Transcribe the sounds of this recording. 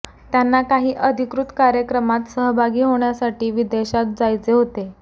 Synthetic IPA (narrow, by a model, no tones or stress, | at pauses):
t̪janːakaɦiːʔəd̪ʱikɾut̪kaɾjəkɾəmat̪səɦəbʱaɡiːɦoɳ̃jasaʈiːʋid̪eɕat̪̚d͡zajt͡seɦot̪e